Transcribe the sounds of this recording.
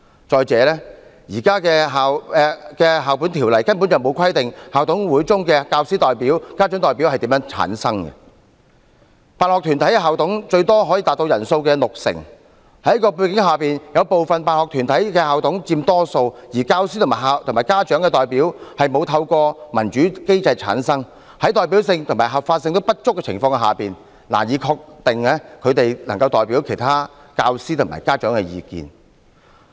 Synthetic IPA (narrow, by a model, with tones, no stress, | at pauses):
t͡sɔː˨jt͡sɛː˨˧lɛː˥jiː˨˩kaː˥kɛː˧ɦaː˨wɛ˨˧kɛː˧ɦaː˨wpu˨˥nt̪ʰiː˨˩wlɐ˨˩jkɐ˥np̬u˨˥nt͡sɐ˨wmo˨˧wkʰɐ˥jt̪ɪ˨ŋhaː˨wt̪ʊ˨˥ŋwuː˨˥jt͡sʊ˥ŋkɛː˧kaː˧wsiː˥t̪ɔː˨˩jpiː˨˥wkaː˥t͡ʃœ˨˥ŋt̪ɔː˨˩jpi˨˥whɐ˨jt̪iː˨˥mjœː˨˧˥ŋt͡sʰa̰ː˨˥nsɐ˥ŋɡɛ̰˧ | paː˨nhɔ˨k̚t̪ʰyː˨˩nt̪ʰɐ˨˥jkɛ˧ɦaː˨wt̪ʰʊ˨˥ŋt͡ʃɵ˧ɥt̪ɔː˥ɦɔ˨˥jiː˧t̪aː˨t̚t̪o˧wjɐ˨˩nso˧wkɛː˧lʊ˨k̚sɪ̰˨˩ŋ | hɐ˨˥jkɔː˧p̬u˧jkɪ˨˥ŋɦaː˨piː˨˩njɐ˨˧wpo˨wfɐ˨npaː˧nhɔː˨k̚t̪ʰyː˨˩nt̪ʰɐ˨˥jkɛː˧haː˨wt̪ʰʊ˨˥ŋt͡siː˧mt̪ɔː˥so˧wjiː˨˩kaː˧wsiː˥t̪ʰmaː˨˩ha˨t̪ʰmaː˨˩kaː˥t͡ʃœː˨˥ŋkɛː˧t̪ɔː˨jpiː˨˥whɐ˨jmo˨˧wt̪ʰɐ˧wkɔː˧mɐ˨˩nt͡ʃyː˨˥ke˥jt͡sɐ˧jt͡sʰa̰ː˨˥nsɐ˥ŋ | hɐ˨˥jt̪ɔː˨˩jp̬iː˨˥wsɪ˧ŋt̪ʰmaː˨˩jɦɐ˨p̚faː˧t̚sɪ˧ŋt̪o˥wpɐ˥t̚t͡ʃʊ˥kːɛː˧t͡sʰɪ̰˨˩ŋfɔː˧ŋ˧ɦaː˨˩piː˨n | la̰ː˨˩jiː˨˧kʰɔː˧k̚t̪ɪ˨ŋlɛ˧˥kʰɵ˨˧ɥt̪e˨jnɐ˨˩ŋkɐ˧wt̪ɔː˨jpiː˨˥wkʰe˨˩jt̪ʰaː˥ | kaː˧wsiː˥t̪ʰʊ˨˩ma̰˨˩jkaː˥t͡ʃœː˨˥ŋkɛ˧jḭː˧kḭː˨˩n